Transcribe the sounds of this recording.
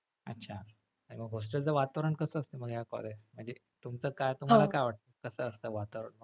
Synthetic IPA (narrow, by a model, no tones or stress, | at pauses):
ə̰tːɕʰa | aɽ̃iməɡɦos̬ʈəld͡zəʋat̪əʋəɾəɳkəsəːst̪eməɡɦjakɔ̰leməɳd͡ʑe | t̪umt͡səːkajt̪um̤alakajʋaʈ̚t̪əkəsəːst̪əʋat̪ʋəɾəɳmə